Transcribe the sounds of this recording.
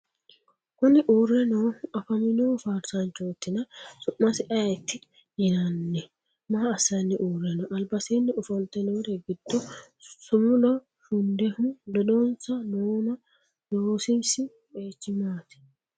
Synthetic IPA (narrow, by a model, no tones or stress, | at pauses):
kʊnɪʔuːrːɛnoɐfɐmɪnufaːɾsant͡ʃːoːt̪ːɪnɐsʊʔːɐsɪʔɐɛt̪ːɪ | jɪnɐnːɛ | maːɐsːɐnːɪʔuːrɛnɔʔɐlbɐseːnːɪʊfɔlt̪ɛnɔd̪ɛɡɪd̪̥ːɔ | sʊmʊlɔ | ʃʊnd̪ɛhʊmlɔᶑɔnsɐnoːnɐ | doːsɪnsɪ | eːt͡ʃːɪmaːt̪ɪ̥